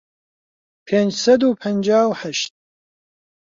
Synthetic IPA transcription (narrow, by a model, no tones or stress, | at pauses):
pʰeːnd͡ʒsɐd̪uːpʰɐnd͡ʒaːwħɐʃt̪̚